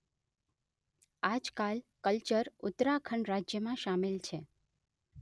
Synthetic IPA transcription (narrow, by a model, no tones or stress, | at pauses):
ad͡ʒkalkəlt͡ʃəɾʊt̪ɾakʰəɳɾad͡ʒjəmãʃamilt͡ʃʰe